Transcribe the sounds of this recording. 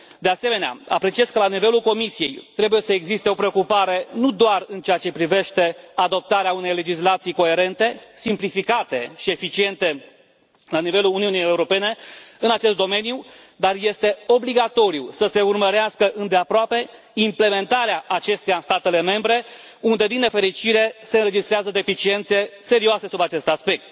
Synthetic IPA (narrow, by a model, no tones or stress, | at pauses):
d̪e̞ase̞me̞nea̰a̰pɾe̞t͡ʃie̞z̥kəlanive̞lulko̞misije̞̰jt̪ɾe̞buje̞səeɡzist̪e̞o̞pɾe̞o̞kupaɾe̞nud̪oarɨnt͡ʃeat͡ʃe̞pɾive̞ʃt̪e̞ad̪o̞p̚t̪aɾeaune̞jle̞d͡ʒislat̪sijko̞e̞ɾe̞nt̪e̞simplifikat̪e̞ʃie̞fit͡ʃie̞nt̪e̞ | lanive̞luluniunijeuɾo̞pe̞ne̞ɨnat͡ʃe̞st̪d̪o̞me̞nju | d̪arje̞st̪e̞o̞bliɡat̪o̞ɾiusəse̞urməɾeaskəʔɨnd̪e̞apɾoape̞ | imple̞me̞nt̪aɾeaʔat͡ʃe̞st̪ejaɨnst̪at̪e̞le̞me̞mbɾe̞ | und̪ed̪inːe̞fe̞ɾit͡ʃiɾe̞se̞ɨnɾe̞d͡ʒist̪ɾeazəd̪e̞fit͡ʃie̞nt̪se̞se̞ɾioase̞subat͡ʃe̞st̪aspe̞k̚t̪